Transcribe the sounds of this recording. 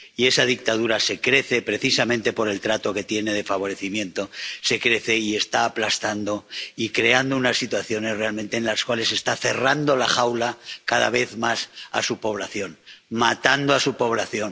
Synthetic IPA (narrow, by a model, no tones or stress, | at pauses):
ie̞sað̞ik̚t̪aðuɾase̞kɾe̞θe̞pɾe̞θisamẽnt̪e̞po̞ɾe̞lt̪ɾat̪o̞ke̞t̪jene̞ð̞e̞faβ̞o̞ɾe̞θimjẽ̞nt̪o̞se̞kɾe̞θe̞ie̞st̪aːplast̪and̪o̞ikɾe̞and̪ounasːit̪waθjo̞ne̞sre̞almẽ̞nt̪eːnlaskwale̞se̞st̪aθe̞rand̪o̞laxawlakaða̰β̞e̞θmasa̰supo̞β̞laθjo̞nmat̪and̪oasupo̞β̞laθjo̞n